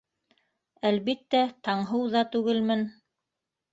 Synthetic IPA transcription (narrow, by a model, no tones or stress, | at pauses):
ælβit̪ːæt̪ɑɴɦɤwðɑt̪ʉɡɘlmɘn